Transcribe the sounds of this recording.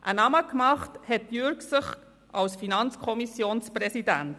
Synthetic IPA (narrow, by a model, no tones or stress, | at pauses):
ʔənɑməkmɑχthɛt̚jʏɾksəχ | ʔɑwsfinɑnt͡skʰɔmisjoːnspɾɛsidænt